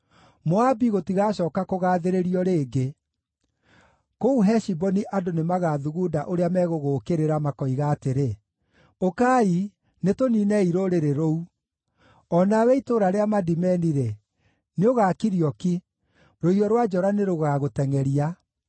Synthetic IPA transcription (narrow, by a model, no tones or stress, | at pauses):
moabiɣotiɣaɕɔːkakoɣaːðeɾeɾiɔɾeːɡe | kouɦɛʃibɔniʔadonemaɣaðuɣudaʔoɾeamɛɣoɣoːkeɾeɾamakɔiɣaːteɾe | okaːi | netoninɛiɾoɾeɾeɾou | ɔnawɛitoɾaɾeamadimɛniɾe | neoɣaːkiɾiɔki | ɾoiɾɔɾwad͡ʒɔɾaneɾoɣaɣotɛŋɛɾia